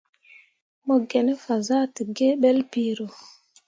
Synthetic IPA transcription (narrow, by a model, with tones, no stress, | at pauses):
mɔ˨ɡɛ˨nɛ˦fa˨za˦ti˨ɡe˦ɓɛ˦lpiː˨ɾo˨